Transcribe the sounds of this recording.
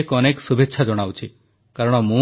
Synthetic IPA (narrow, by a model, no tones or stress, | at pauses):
kɔneksubʱetːʃʰad͡ʒɔɽ̃awt͡ʃʰi | kaɾɔɽ̃ɔmũ